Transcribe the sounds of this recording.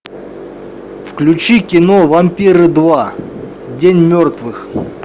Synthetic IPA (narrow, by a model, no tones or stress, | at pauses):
fklʲʉt͡ɕikʲɪnovɐmʲpʲiɾɨd̪va | dʲenʲmʲort̪vɨx